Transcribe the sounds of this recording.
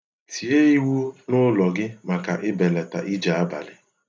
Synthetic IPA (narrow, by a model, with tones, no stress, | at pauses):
ti˨e˦i˦wu˦nʊ˦lɔ˨ɡɪ˦ma˨ka˨ʔɪ˦be˨le˨ta̰˨ʔi˦d͡ʒa˨a˦ba̰˨lɪ˨